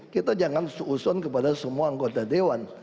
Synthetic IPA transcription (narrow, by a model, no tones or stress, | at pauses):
kit̪ad͡ʒaŋansuːsɔnkəpadasəmuaːŋɡot̪adewan